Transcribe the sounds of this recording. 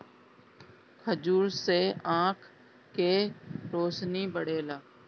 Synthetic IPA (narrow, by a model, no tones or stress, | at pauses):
kʰəd͡ʒuːɾseãːkʰ | keɾoːsnibəɽeːlaː